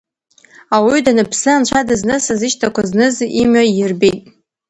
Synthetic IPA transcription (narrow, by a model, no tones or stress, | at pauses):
awidanɨpʰsɨant͡ʃʷʰadɨznɨsazɨʃtʰakʷʰaznɨzimajɪrbejtʼ